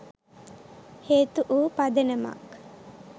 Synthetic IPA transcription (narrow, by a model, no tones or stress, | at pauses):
heːt̪uʔuːpad̪enəma̰k